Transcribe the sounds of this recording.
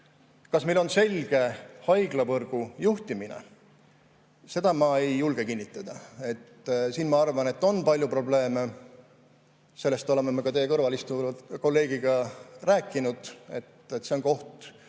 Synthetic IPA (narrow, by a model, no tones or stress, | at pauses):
kɑsmejlo̞nse̞lʲɡ̥e̞hɑjɡ̥lɑvɤrɡ̥ujuht̪iminḛ | se̞d̪̥ɑmɑe̞jːulɡ̥e̞kinʲːit̪ˑːɑd̪ɑe̞t̪ːsiːnmɑɑrvɑnet̪ːˑo̞npɑlʲjupro̞ble̞ːme | se̞lːe̞st̪o̞le̞memekɑt̪e̞jekɤrvɑlist̪uko̞lːe̞ːɡ̥iɡ̥ɑræːkːˑinud̪̥e̞̰t̪et̪ːse̞o̞nko̞ht̪